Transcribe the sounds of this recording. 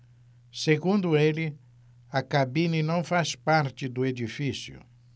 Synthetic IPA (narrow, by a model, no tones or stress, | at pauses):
seɡũnd̪ʊeli | ɐkabĩninɐ̃w̃faspaɾt͡ʃ̪ɪd̪ʊed̪ifisjʊ̰